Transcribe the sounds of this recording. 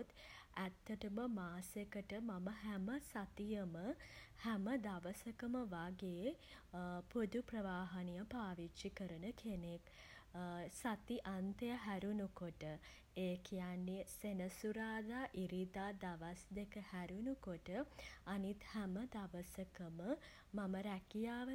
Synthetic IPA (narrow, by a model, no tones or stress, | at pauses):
t̪æt̪ːəʈəməmaːsekəʈəmaməɦæməsat̪ijəməhæməd̪aʋəsəkəməʋaɡe | pod̪uprəʋaːɦanijəpaːʋit͡ʃːʃikəɾənəkʰenek | sat̪iʔant̪əjəɦæɾunukoʈə | eːkijanːesenəsuɾaːd̪aːʔiɾid̪aːd̪aʋasd̪ekəhæɾunukoʈəanit̪hæməd̪aʋəsəkəmə | maməɾækijaːʋə